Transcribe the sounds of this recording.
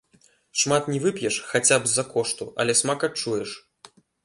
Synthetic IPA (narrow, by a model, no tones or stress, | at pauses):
ʂmat̪nʲɛvɨpʲjɛʂxat͡sʲabzːɐkɔʂt̪uʔɐ̰lʲɛsmakɐt͡ʂːujɛʂ